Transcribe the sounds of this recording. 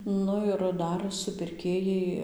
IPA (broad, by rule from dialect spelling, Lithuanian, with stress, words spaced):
ˈnʊ ɪr ˈdɐr sʊpʲɪrʲˈkʲeːjɛɪ